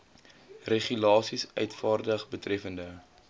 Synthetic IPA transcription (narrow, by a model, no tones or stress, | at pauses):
reχylɑːsisœ̰ɥtfɑːrdəχbətrɛfəndə